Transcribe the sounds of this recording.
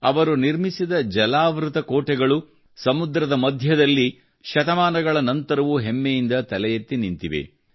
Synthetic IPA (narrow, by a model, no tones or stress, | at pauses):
ɐʋɐɾuniɾmisid̪ɐd͡ʒɐlaːʋɾut̪ɐkoːʈɛɡɐɭu | sɐmud̪ɾɐd̪ɐmɐd̪ʱjɐd̪ɐlːi | ʃɐt̪ɐmaːnɐɡɐɭɐnɐnt̪ɐɾɐʋuɦemːejind̪ɐt̪ɐlɛjɐt̪ːinint̪iʋḛ